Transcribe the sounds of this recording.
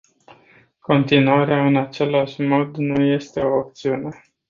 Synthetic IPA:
ko̞nt̪inuaɾeaɨnat͡ʃe̞laʃmo̞d̪nuje̞st̪e̞o̞op̚t̪siune̞

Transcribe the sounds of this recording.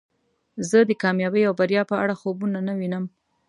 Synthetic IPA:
zəd̪əkɑmjɑbəjawbaɾjɑpəaɽaxobunanawinəm

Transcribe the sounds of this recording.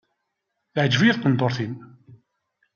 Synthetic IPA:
θʕd͡ʒvijiθqənd̪ˤoɾˤθin

